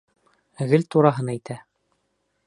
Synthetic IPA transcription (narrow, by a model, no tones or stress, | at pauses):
ɣɘlt̪uɾɑɦɤnæjt̪ʰæ